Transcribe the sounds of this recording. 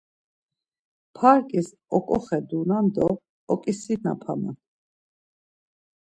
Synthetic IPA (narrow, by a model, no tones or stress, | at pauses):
pʰaɾkʼis | ɔkʼɔχɛd̪unand̪ɔ | ɔkʼisina̰pʰa̰na̰